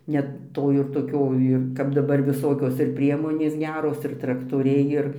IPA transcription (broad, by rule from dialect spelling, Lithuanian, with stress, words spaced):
nʲɛt ˈtoː ɪr toːˈkʲoː ˈɪr kɐp dɐˈbɐr ʋʲɪˈsoːkʲoːs ɪr ˈpʲrʲiɛmoːnʲeːs ˈɡʲæːroːs ɪr trɐktoːˈrʲɛɪ ˈɪr